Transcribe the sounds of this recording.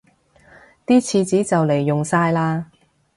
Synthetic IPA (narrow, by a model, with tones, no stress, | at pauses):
t̪iː˥t͡sʰiː˨˧t͡siː˨˥t͡sɐ˨wle˨˩jːʊ˨ŋsaː˧jlaː˥